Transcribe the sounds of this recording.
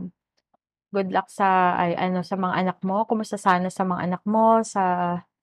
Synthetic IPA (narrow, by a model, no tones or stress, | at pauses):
m | ɡʊd̪lɐk̚sɐʔɐjʔɐno̞sɐmɐŋa̰ʔɐnɐk̚mo̞kʊmʊst̪ɐsaːnɐsɐmɐŋa̰ʔɐnɐk̚mo̞sɐ